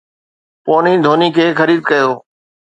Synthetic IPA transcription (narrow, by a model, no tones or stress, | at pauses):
poːniːd̪ʱoːnikʰeːxəɾiːd̪̚kəjoː